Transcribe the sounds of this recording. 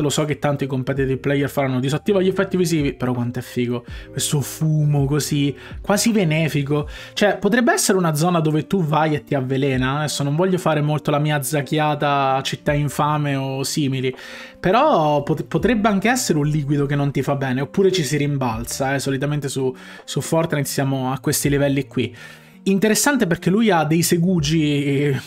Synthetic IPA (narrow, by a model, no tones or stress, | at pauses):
losɔk̟et̪ːant̪oikompɛːt̪̬id̪eplɛjɛrfaɾanːod̪isot̪ːiːvaʎiefːɛt̪ːiviziːvipeɾɔkwant̪oɛfːiːɡokwest̪ofuːmokozi | kwaːzivenɛːfikot͡ʃoɛpot̪ɾɛbːeɛsːeɾeunad̪zɔːnad̪oːvet̪uvajet̪ːiavːelɛːnaɛsːonoɱvɔʎːofaːɾemolt̪olamiːad̪zakjaːt̪at͡ʃit̪ːaiɱfaːmeosiːmili | peɾɔpopot̪ɾɛbːeaŋk̟eɛsːeɾeunliːk̬wid̪okenːont̪ifabːɛːneopːuːɾet͡ʃisiɾimbalt̪saɛsolit̪ament̪esu | sufːɔrt̪nat̪sjaːmoakːwest̪ilivɛlːikːwi | int̪eɾesːant̪eperk̟elujad̪ːejseɡuːd͡ʒi